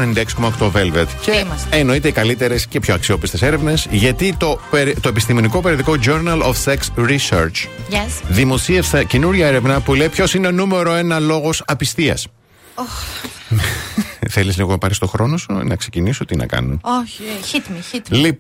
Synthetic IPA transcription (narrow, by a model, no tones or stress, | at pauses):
nend̪ekskomɐkt̪ove̞lvet̪ceɐːno̞it̪eikɐlit̪e̞ɾe̞sce̞pço̞ɐksio̞pist̪e̞se̞ɾe̞vnesʝɐt̪it̪o̞peɾt̪o̞epist̪ime̞niko̞peɾioðiko̞d͡ʒoɾnɐlofseksɾiseɾt͡ʃsðimo̞siefsɐce̞nuɾʝɐeɾe̞vnɐpule̞ipço̞sine̞nume̞ɾo̞e̞nɐlo̞ɣo̞sɐpist̪iɐ̰s | o | θe̞lizliɣonɐpɐɾist̪o̞xɾo̞no̞sṵnɐ̰kse̞cinisot̪inɐ̰kɐ̰nunoç | li